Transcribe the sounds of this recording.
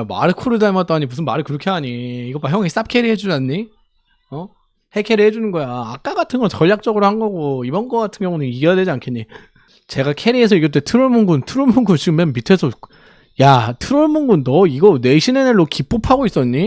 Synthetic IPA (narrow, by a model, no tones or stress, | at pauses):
ma̰ɾɯkʰuɾudamat͈aɲimus̬ʰɯnmaɾɯɭkɯɾʌkʰeɦaɲiːɡʌpaçjʌŋeis͈ap̚kʰe̞ɾiɦe̞d͡ʑud͡ʑanɲi | ʌ | he̞kʰe̞ɾiɦed͡ʑunɯnɡʌjaak͈aɡatʰɯnɡʌnt͡ɕʌʎːjak̚t͡ɕ͈ʌɡɯɾohanɡʌɡoibʌnɡʌk͈atʰɯnɡjʌŋunɯniɡejadwe̞d͡ʑiankʰenɲi | t͡ɕe̞ɡakʰe̞ɾie̞s̬ʰʌiɡʌɭt͈etʰɯɾoɭmunɡuntʰɯɾoɭmuŋɡunt͡ɕiɡɯmːenmitʰe̞sʰʌ | jatʰɯɾoɭmunɡundʌiɡʌne̞ɕʰineneɭːokip͈opʰaɡois͈ʌɲːi